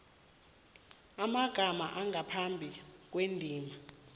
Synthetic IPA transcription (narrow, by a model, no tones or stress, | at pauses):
amaɡ̥ʱama̰ʔaŋʱapʰambʱik̬ʼwendʱiːma